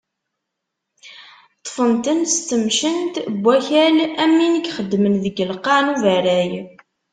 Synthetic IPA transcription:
t̪ˤːfənt̪ənst̪ːəmʃənt̪bʷːæçælæmːinəkχəd̪ːmənðəɡəlqɑnuvæɾæj

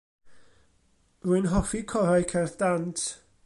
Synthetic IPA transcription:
ruɨnɦɔfikʰɔɾajkʰɛrθd̥antʰ

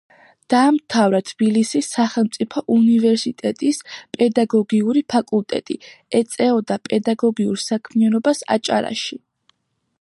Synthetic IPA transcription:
d̪̥aːmt̪ʰavɾat̪ʰb̥ilisisːaχɛlˠmt̪sʼipʰɔʔunivɛɾsit̪ʼɛt̪ʼispʼɛd̪aɡɔɡiuɾipʰakʼulˠt̪ʼɛ̰t̪ʼḭɛt̪sʼɛɔd̪apʼɛd̪aɡɔɡiṵɾsakʰmianɔbasa̰t͡ʃʼa̰ɾa̰ʃi

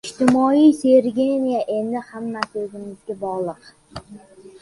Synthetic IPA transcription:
ɪʃt̪ʰɪmɒijse̞ɾɡʲe̞nijaʔe̞nd̪ɪhamːasɪɵzɪmɪzɡʲabɒʁlˠɨq

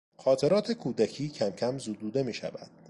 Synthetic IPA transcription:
xɒːt̪ʰe̞ɾɒːt̪ʰe̞kʰuːd̪æcʰiːcʰæmcʰæmzuːd̪uːd̪e̞miːʃæ̰væ̰d̪̥

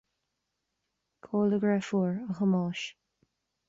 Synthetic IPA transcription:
kʰoːləɡɹɛfuːɹəxəmɑːʃ

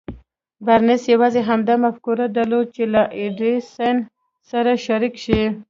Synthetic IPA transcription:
baɾnɪsjawɑzeɦamd̪amafkuɾad̪alod̪̚t͡ʃelaʔeɖesan | saɾaʃaɾikʃi

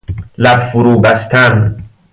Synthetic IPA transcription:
læbfʊɾuːbæst̪ʰæn

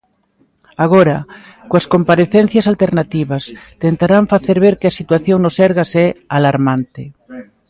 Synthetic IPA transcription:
aɣ̞oɾa | koaskompaɾeθen̟θjasalt̪eɾnat̪iβast̪ent̪aɾaɱfaθeɾβ̞eɾkeasit̪waθjoŋnosɛɾɣasɛalaɾmãnt̪e

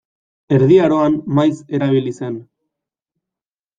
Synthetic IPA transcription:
e̞ɾðiaɾo̞anmajse̞ɾaβ̞ilise̞n

